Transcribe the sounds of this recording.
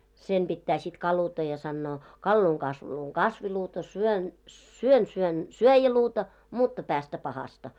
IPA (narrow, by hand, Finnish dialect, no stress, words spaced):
sem b̥itːæː sit kɑlutɑ jɑ sɑnːoː kɑlːuːŋ kɑsʋuluːŋ kɑsʋiluːtɑ syøn syøn syøn syøjæluːtɑ mutːɑ pæːstæ pɑhɑstɑ